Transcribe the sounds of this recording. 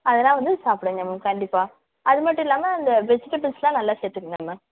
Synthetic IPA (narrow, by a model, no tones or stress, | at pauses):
ɐðɛlãːʋɐnd̪ɯsaːpɪɽeŋɡɐmɐkɐɳɖɪpːaː | ɐðɯmɐʈːʊ̃ɪlːaːmɐːnd̪ɐbɛsɪʈːɐpɪlslãːnɐlːaːseːɾt̪ːɯkːɯŋɡɐːmɐ